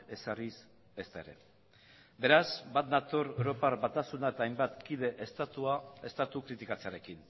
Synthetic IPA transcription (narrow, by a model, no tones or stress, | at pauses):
e̞saris | e̞st̪ae̞ɾe̞̰ | be̞ɾazbat̪nat̪oɾewɾo̞paɾβat̪asunaet̪aːjmbat̪kiðe̞ʔest̪at̪uae̞st̪at̪ukɾit̪ikat͡seaɾe̞kin